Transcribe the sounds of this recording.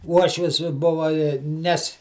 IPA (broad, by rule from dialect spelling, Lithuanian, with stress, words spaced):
ˈuɔʃʲʋʲɪs ˈbʊʋɐ ɪ ˈnʲɛs